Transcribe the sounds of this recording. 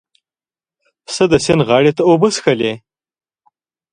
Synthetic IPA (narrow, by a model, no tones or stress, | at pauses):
səd̪əsenɣɑːɽet̪aobəsxəle